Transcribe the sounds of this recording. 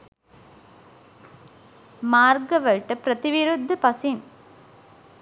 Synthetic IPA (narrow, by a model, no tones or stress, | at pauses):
maːɾɡɐʋɐlʈɐpɾɐt̪ɪʋɪɾud̪ʱːɯpɐsin